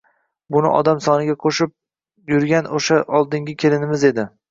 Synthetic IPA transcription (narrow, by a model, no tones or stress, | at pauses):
bʊnɪ̰ʔɒ̰d̪amsɒnɪɡʲaqʰoʃɪp̚ | jʊɾɡʲanoʃaʔɒlˠd̪ɪŋɡʲɪkʲʰe̞lɪnɪmɪzed̪ɪ